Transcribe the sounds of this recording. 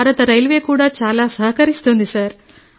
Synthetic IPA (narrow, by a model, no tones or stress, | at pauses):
aːɾɐt̪ɐɾɐjlʋe̞ːkuːɽaːt͡ʃaːlaːsɐɦɐkɐɾist̪oːnd̪isaɾ